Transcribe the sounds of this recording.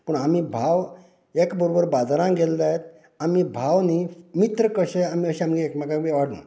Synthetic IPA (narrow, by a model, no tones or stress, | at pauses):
pəɳamibʱaʋ | ekbəɾobəɾbad͡zɾãɡeld̪ajet̪̚ | amibʱaʋnimit̪ɾəkəɕeamiəɕẽamɡiekmakaʋeʋaɽṵ̃